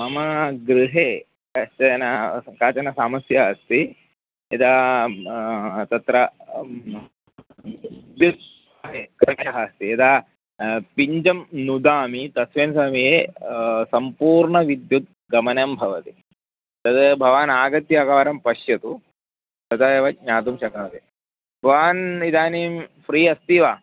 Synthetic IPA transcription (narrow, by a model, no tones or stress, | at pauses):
mɐmɐɡɾiɦeː | kɐt͡ʃɐnɐkaːt͡ʃɐnɐsaːmɐsjɐɦɐst̪i | ed̪aː | t̪ɐt̪ɾɐ | d̪jut̪̚ː | ɦeːkɐɐɦaːst̪iɐd̪aː | piɲd͡ʒɐmnud̪aːmit̪ɐsʋeːnsamiɦeːsɐmpuːɾɳɐʋid̪jut̪̚ | ɡɐmɐnɐmbʱɐʋɐt̪i | t̪ɐt̪bʱɐʋaːnaːɡɐt̪jaɡaːɾɐmpɐʃjɐt̪u | t̪ɐt̪ajɐʋɐɲaːt̪umʃɐkaːt̪e | bʱɐʋaːnid̪aːniːmfɾiːɐst̪iʋaː